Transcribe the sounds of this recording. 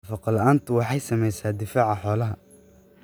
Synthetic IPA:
fɑqɑlɐaːnt̪ʰʊwɑħɑjsɐmɛjsaːd̪ɪfaːʕɑħɔːlɐɦɐ

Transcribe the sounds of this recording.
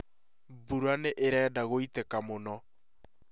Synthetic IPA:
buɾaneʔeɾɛːdaɣoitekamonɔ

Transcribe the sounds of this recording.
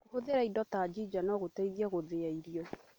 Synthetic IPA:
hoðeɾaidɔtad͡ʒid͡ʒanɔɣotaiðiɛɣoðeaiɾjɔ

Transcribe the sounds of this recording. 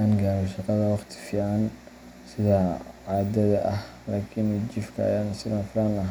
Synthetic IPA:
aːŋɡaːɾɔʃɑqɑðɐwɑχt̪ʰɪ̥fiːʕɑn | sɪðɐʕaːd̪ɐðɐʔɐh | laːkʰɪnt͡ʃɪfkʰɐ̰ɐ̰jaːnsɪðaːnfʊɾaːnɐɦ

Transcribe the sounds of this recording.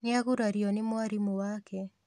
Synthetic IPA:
nɪaɣuɾaɾjɔnɪmwaɾimuwakɛ

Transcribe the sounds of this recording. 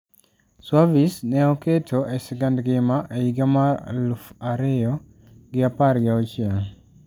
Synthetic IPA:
swavisnɛɔketʰoʔɛsɪɡandɡɪmaʔeiɡamalufaɾejɔ | ɡɪapaɾɡaɔt͡ʃjɛl

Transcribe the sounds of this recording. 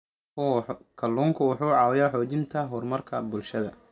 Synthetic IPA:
kʰɐlːuːŋkʰʊwʊħuːʕɑːwɛjaħɔːt͡ʃɪnt̪ʰɐɦɔrmɐrkʰɐbʊlʃɐðɐ

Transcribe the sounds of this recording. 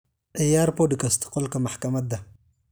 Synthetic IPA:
ʔejaɾpodikast̪ʰi̥qolkamaħkamad̪a

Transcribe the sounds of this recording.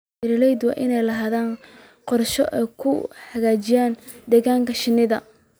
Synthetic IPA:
ɪɾlɛjd̪wɑ̰ːʔɪnɛjlɐɦaːðaːn | qɔrʃɔ̰ʔɛ̰jkʰʊħɐɣaːt͡ʃɪjaːnd̪ɛːɣaːŋkʰɐʃɪnːɪðɐ

